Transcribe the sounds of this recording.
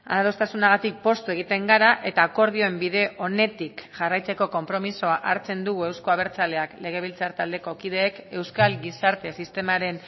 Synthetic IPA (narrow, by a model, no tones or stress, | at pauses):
a̰aðo̞st̪asunaɣ̞at̪ik̚po̞st̪ueɣ̞it̪e̞ŋɡaɾaʔe̞t̪aːko̞ɾð̞io̞e̞mbiðe̞ʔo̞ne̞t̪ikʝarajt͡se̞ko̞ko̞mpɾo̞miso̞aʔaɾt͡se̞nd̪uɣ̞ue̞wsko̞aβ̞e̞ɾt͡sale̞akle̞ɣ̞e̞β̞ilt͡saɾt̪ald̪e̞ko̞kið̞e̞ːke̞wskalɡisaɾt̪e̞sist̪e̞maɾe̞n